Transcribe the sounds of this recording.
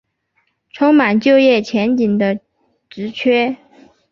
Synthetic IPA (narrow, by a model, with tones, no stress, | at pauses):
ʈ͡ʂʰʊ˥ŋma˨˩nt͡ɕjo˥˧ʊjɛ˥˩t͡ɕʰjɛ˧˥nt͡ɕi˨˩nd̪ə˦ | ʈ͡ʂɻ̩˧˥t͡ɕʰɥɛ˥